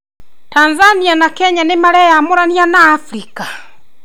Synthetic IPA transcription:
tanzanianakɛɲanemaɾɛjamoɾanianaːfɾika

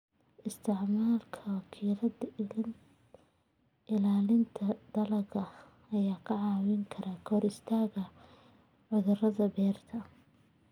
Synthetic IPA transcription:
ʔɪst̪ʰɪʕmaːlkʰɐwɑkʰiːlɐ | ʔɪlaːlɪnt̪ʰɐd̪ɐlɐɡɐ | ɐjaːkʰɐʕɑːwɪŋkʰɐɾʔaːkʰɔːɾɪst̪ʰaːɣɐ | ʕʊðʊrɐðɐbɛːrt̪ʰɐ

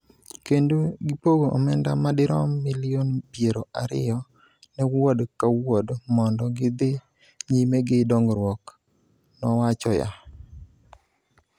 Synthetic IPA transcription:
kendoɡɪpoɡoʔɔmɛndamadɪɾɔmilɪonpjeɾoʔaɾɪ̰jɔ | nɛwɔdkawodmɔndɔɡɪd̪ɪ | ɲimeɡɪdɔŋɡɾwɔk | nɔwat͡ʃɔja̰

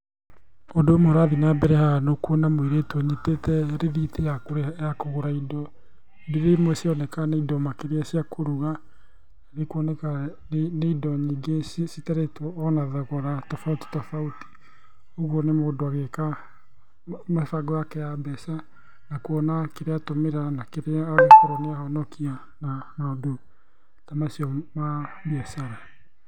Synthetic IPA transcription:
odomoɾaðinabɛɾɛhanokuɔnamweɾetwɔɲetetɛɾeðitejakoɾjakoɣoɾaidɔ | deɾemwɛsiɔnɛkaneidɔmakeɾeasiakʰoɾuɣa | ɾekwɔnɛka | neidɔɲiɡessitaɾetɔːnaðaɣɔɾatɔfauti̥tafauti̥ | oɣwɔnemodoaɣeka | mafaɡɔakɛabɛsa | nakuɔnakeɾeatomeɾanakeɾaɣekoɾɔneahɔnɔkia | nanaodo | tamasiɔmaβiasaɾa

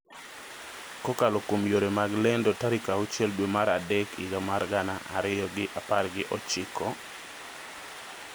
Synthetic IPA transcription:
kɔkalɔkomjoɾemaɡlɛndɔtaɾikaut͡ʃɛldwemaɾadɛkiɡamarɡanaʔa̰ɾɪjɔɡɪʔaparɡɪʔɔt͡ʃɪkʰɔ

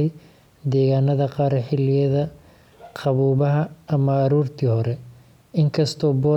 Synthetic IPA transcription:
j | d̪ɛːɣaːnɐðɐqɑːɾɛħɪlɪjɐðɐ | qʰɑβuːβɐɦɐɐmɐːɾuːrt̪ʰiːhɔɾɛ | ɪŋkʰɐst̪ʰɔːbɔː

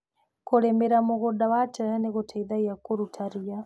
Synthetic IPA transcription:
kʰɔlɛmbɛɾamɔkɔɗawatʰaanɛkɔtʰaid̪aijakʼɔɾutʰaɾija

